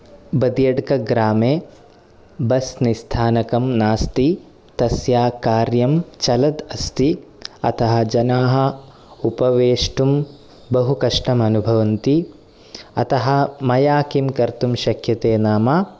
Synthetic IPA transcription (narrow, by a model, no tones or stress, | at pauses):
bɐd̪jɐɽkɐɡɾaːmeː | bɐsnist̪ʰaːnɐkɐmnaːst̪i | t̪ɐsjaːkaːɾjɐmt͡ʃɐlɐd̪ɐst̪i | ɐ̰t̪ɐɦɐ̆d͡ʒɐnaːɦɐ̆ | upɐʋeːʂʈum | bɐɦukɐʂʈɐmɐnubʱɐʋɐnt̪i | ɐ̰t̪ɐɦɐ̆mɐjaːkimkɐɾt̪umʃɐkʰjɐt̪eːnaːmaː